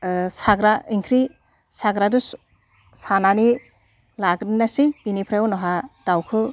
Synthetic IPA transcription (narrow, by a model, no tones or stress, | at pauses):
saɡɾaiŋkʰɾi | saɡɾadus | sanani | laɡɾinasipinipʰɾajɔnɔɦad̥awkʰɯ